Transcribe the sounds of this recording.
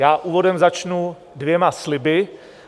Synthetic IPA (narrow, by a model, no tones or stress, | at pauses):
jaːʔuːvo̞dɛmzat͡ʃnu | dvjɛmaslɪbɪ